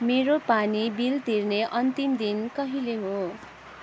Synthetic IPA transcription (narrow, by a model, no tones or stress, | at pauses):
meɾopanibilt̪irneʔʌnt̪imd̪inkʌɦileɦo